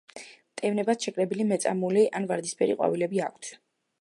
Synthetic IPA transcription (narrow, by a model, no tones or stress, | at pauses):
mt̪ʼɛvnɛbasʃɛkʼɾɛbilimɛt̪sʼa̰muliʔanvaɾd̪ispʰɛɾḭqʼwa̰vilɛbiakʰt̪ʰ